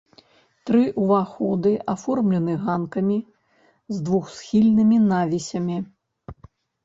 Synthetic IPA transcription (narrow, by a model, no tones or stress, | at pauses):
t̪ɾɨʔuvaxɔd̪ɨʔafɔrmlʲɛnɨɣankɐmʲi | zd̪vuxsxʲilʲnɨmʲinavʲisʲɐmʲi